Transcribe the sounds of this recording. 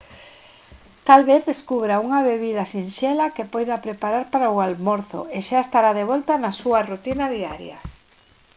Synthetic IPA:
t̪alβeθðeskuβɾauŋaβeβiðɐsinʃelakepɔjðɐpɾepaɾaɾpaɾaualmoɾθʊ̰eʃaest̪aɾaðeβɔlt̪ɐnasuɐrut̪inaðiaɾjɐ̰

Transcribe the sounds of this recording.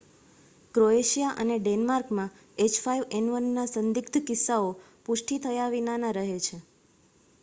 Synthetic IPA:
kɾoeʃijaʔəneɖenmaɾkmã | et͡ʃfaiʋenʋənːasə̃nd̪ɪkt̪ʰəkɪsːao | pʊʃʈit̪ʰəjaʋinanaɾəɦet͡ʃʰe

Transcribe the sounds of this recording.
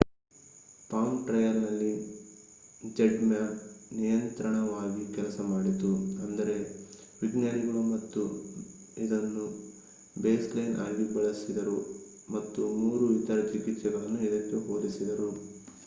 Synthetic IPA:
paːmʈɾɐjɐɾnɐlːi | d͡ʒeɖmjɐnijɐnt̪ɾɐɳɐʋaːɡikɛlɐsɐmaːɽit̪uɐnd̪ɐɾe̞ | ʋiɡnjaɾiɡɐɭumɐt̪ːu | id̪ɐnːu | beːslɐjnʔa̰ːɡibɐɭɐsid̪ɐɾu | mɐt̪ːumuːɾuʋit̪ɐɾɐt͡ʃikit̪ːsɛɡɐɭɐnːuid̪ɐkːeɦoːd̪isid̪ɐɾu

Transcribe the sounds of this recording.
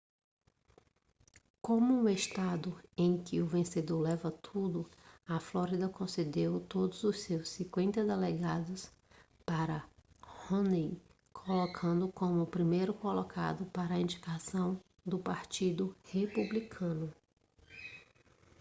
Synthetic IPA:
kõmʊũeʃt̪ad̪ʊẽj̃kɪʊvẽsed̪oɾlɛvɐt̪ʰud̪ʊɐflɔɾid̪ɐkõsed̪ewt̪od̪ʊzʊssewsːĩkwẽnt̪ɐd̪eleɡad̪ʊs | paɾɐ | hõnij | kʰolokʰɐ̃nd̪ʊkõmʊːpɾimejɾʊkolokʰa̰d̪ʊpaɾɐĩd͡ʒikasɐ̃w̃ | d̪ʊpaɾt͡ʃid̪ʊhepublikʰɐ̃nʊ

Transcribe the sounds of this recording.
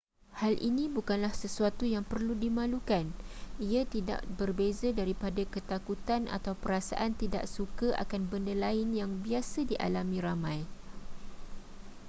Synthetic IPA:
halʔḭnĩbukanlahsəsuat̪ujaŋpərludimãlukaniat̪ida̰ʔbərbezadaɾipadakət̪akut̪ana̰t̪awpəɾasa̰ʔant̪ida̰ʔsukaʔa̰kanbəndalaɪnjaŋbiasadiʔa̰lamĩɾamãj

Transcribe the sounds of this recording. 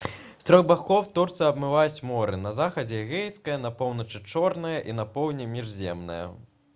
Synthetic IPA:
st̪ɾɔɣbaxɔwt̪ɔrt̪sɨɐbmɨvajut͡sʲmɔɾɨnɐzaxɐd͡zʲɛɣɛjskɐjɐnɐpɔwnɐt͡ʂɨt͡ʂɔrnɐjɐʔin̪ɐpɔwnʲɛmʲiʐzʲɛ̰mnɐ̰jɐ̰

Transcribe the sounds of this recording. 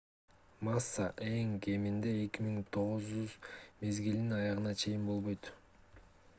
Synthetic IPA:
masːaʔe̞ŋkʰe̞mind̪e̞ːkimiŋt̪ʰo̞ʁuzd͡ʒyzme̞zɡild̪inɑjɑʁɯnɑt͡ʃʰe̞jinbo̞lˠβo̞jt̪

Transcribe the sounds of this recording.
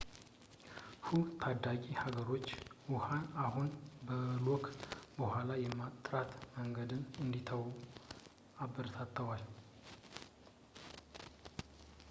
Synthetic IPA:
hut̪ʰad̪akʼihaɡəɾo̞t͡ʃːwʊhanaɦunbəlokʼbəhʷalajɛmːat̪ʼɾat̪məŋɡəd̪ɨnɨnd̪it̪ʰəw | abəɾət̪ʰat̪ʰːəwal

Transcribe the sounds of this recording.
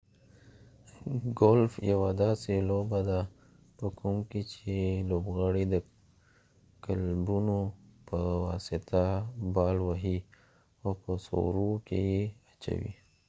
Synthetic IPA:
ɡolfjawad̪aselobad̪a | pəkumkit͡ʃeloːbɣaɽid̪ə | kəlbunopəwasɪt̪abaːlwaɦi | opəso̰ɾukḛjeɐt͡ʃa̰wḭ

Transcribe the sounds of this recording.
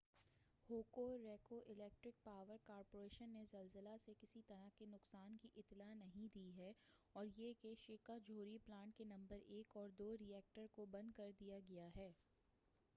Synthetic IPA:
hoːkoɾeːkoʔɪlɛːk̚ʈɾɪk̚paːʋəɾkaːɾpoːɾeːʃənːezɐlzəlasekɪsit̪ɐɾakenʊqsaːnkiʔɪt̪lanɐɦĩd̪iːɦɛːɔːɾjekeʃɪkad͡ʒʱoːɾiplãːɳʈ̚kenɐ̃mbəɾeːkɔːɾd̪oːɾijɛːk̚ʈəɾkobɐ̃nd̪̚kɐɾd̪ijaɡɐjaɦɛː

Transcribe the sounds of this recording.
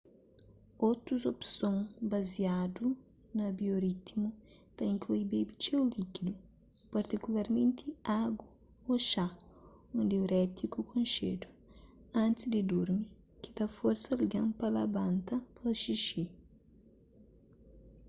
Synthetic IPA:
ot̪ɾuzopsõŋbɐziad̪u | nɐbjoɾit̪imu | t̪aĩŋkluibebit͡ʃeulikid̪u | pɐɾt̪ikulaɾmẽnt̪ʰiaɡu | oʃa | ũnd̪euɾɛt̪ikukʰõnʃḛd̪u | ɐ̃nt̪ɪsd̪ɪd̪uɾmi | ki̥t̪afoɾsɐliɡãŋpɐlɐbãnt̪ɐpɐlɐʃiʃi

